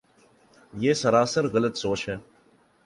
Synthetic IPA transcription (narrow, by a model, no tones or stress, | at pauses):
jeːsəɾaːsəɾɣələt̪soːt͡ʃɦɛː